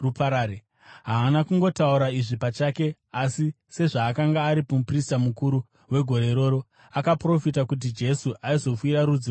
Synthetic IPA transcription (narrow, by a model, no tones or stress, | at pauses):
rupaɾaːɾe | ɦaːnakuŋɡo̞tauɾaiʐipat͡ʃaːke̞ | asi | se̞ʐaːkaŋɡaːɾipomupristamukuɾu | we̞ɡʱo̞ɾe̞ɾo̞ːɾo̞ | akapro̞fitakut̬id͡ʒe̞suʔaizo̞fwiɾaɾud͡zi